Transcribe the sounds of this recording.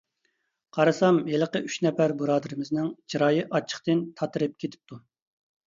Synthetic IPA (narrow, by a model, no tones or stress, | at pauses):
qʰɑɾɨsɑmjelˠəqəʔyʃnɛpæɾbuɾɑːd̪ɨɾɨmɪznɪŋd͡ʒʰiɾɑːjɨʔɑt͡ʃʰːə̥χt̪ɨnt̪ʰɑt̪ɨɾɨp̚kʲʰet̪ʰɪ̥p̚t̪ʰu